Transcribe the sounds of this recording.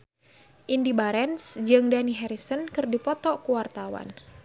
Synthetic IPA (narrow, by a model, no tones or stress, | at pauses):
ʔindibaɾɛnsd͡ʒɨŋdaniɦɛɾisənkɨrdipɔt̪ɔkuwart̪awa̰n